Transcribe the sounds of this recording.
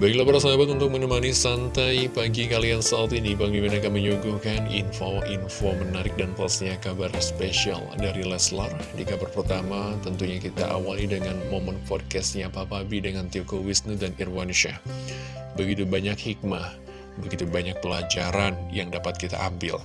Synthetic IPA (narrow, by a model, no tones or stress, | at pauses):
baɡilabaɾaslabat̪unt̪ʊk̚mənəmanisant̪ajbaɡikaliansat̪inibaŋɡimanakanməɲuɡukanḭnfoʔinfomənaɾɪk̚danplasɲakabarspesia̰ldaɾilɛsla̰rdikabarpərt̪amat̪ənt̪uɲakit̪a̰ʔa̰walidəŋanmomənpɔd̚kɛst̪ɲapaːpabidəŋant̪iokowisnudanirwanuʃa̰ | bəɡit̪ubaɲakhik̚mah | bəɡit̪ubaɲak̚pəlad͡ʒaɾanjaŋdapat̪̚kit̪a̰ʔambɪ̰l